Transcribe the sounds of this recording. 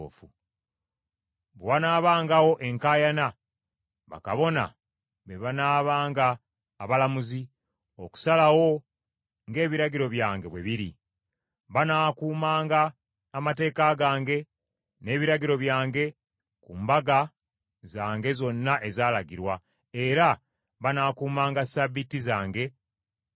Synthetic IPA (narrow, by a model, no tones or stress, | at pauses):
fu | βwanaːβaːŋɡawo̞ʔe̞ŋkaːjana | βa̰ka̰βo̞na̰ | βeβanaːβaːŋɡaː | βalamuzi | oku̥salawo̞ | ŋɡe̞ːβiɾaɡiɾo̞βjaːŋɡe̞βweβiɾḭ | βanaːkuːmaːŋɡaː | mate̞ːkaɡaːŋɡe̞ | ne̞ːβiɾaɡiɾo̞βjaːŋɡe̞ | kuːmbaɡa | zaːŋɡe̞zo̞nːaʔe̞zaːlaɡiɾwa | eɾa | βanaːkuːmaːŋɡasaβitizaːŋɡe̞